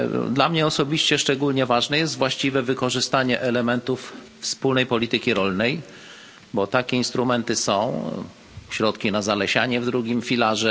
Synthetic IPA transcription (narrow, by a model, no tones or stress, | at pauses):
d̪lamɲɛɔsɔbʲiɕt͡ɕɛʂt͡ʂɛɡulɲɛvaʐnɛjɛst̪vwaɕt͡ɕivɛvɘkɔʐɘst̪aɲɛʔɛlɛmɛnt̪uf | fspulnɛjpɔlʲit̪ɘkʲiɾɔlnɛj | bɔt̪akʲɛinst̪ɾumɛnt̪ɘsɔ̃w̃ | ɕɾɔt̪kʲinazalɛɕaɲɛvd̪ɾuɡʲimfʲilaʐɛ